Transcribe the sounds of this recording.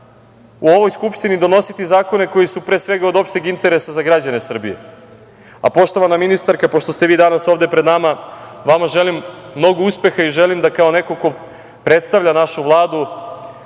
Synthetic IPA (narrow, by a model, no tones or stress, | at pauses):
uo̞ʋo̞jskupʃt̪inid̪o̞no̞sit̪izaːko̞ne̞ko̞jisupɾeːsʋe̞ɡaod̪o̞pʃt̪eɡint̪e̞ɾe̞sazaɡɾad͡ʑane̞sr̩bie̞̰ | a̰po̞ʃt̪o̞ʋanaminist̪aɾkapo̞ʃt̪o̞st̪e̞ʋiːd̪anaso̞ʋvd̪epɾed̪namaʋamaʒe̞limːno̞ɡouspe̞xaiʒelimd̪akao̞ne̞ko̞ko̞ | pɾe̞t̪st̪aʋʎʲanaʃuʋlˠaːd̪u